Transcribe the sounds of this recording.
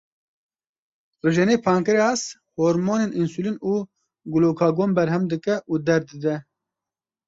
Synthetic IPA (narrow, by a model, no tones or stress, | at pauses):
rɨʒɛneːpʰɑːŋkɨɾeɑshoːɾmoːneːninsulinuː | ɡuloːkʰɑːɡoːmbɛɾɦɛmd̪ɨkɛʔuːd̪ɛɾd̪ɨd̪ɛ